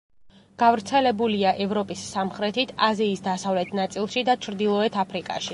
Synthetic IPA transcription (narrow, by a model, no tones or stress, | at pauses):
ɡ̥avɾt̪sʰɛlɛbuliaʔɛvɾɔpʼisːamχɾɛt̪ʰit̪ʰaziːsd̪asavlɛt̪ʰnat̪sʼilˠʃid̪at͡ʃʰɾd̪ilˠɔɛt̪ʰapʰɾikʼa̰ʃi